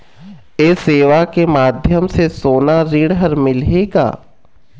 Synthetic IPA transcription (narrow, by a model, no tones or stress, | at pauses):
eːseːʋakemaːd̪ʱjəmsesoːnaɾiːɽɦəɾmɪleːɡa̰ː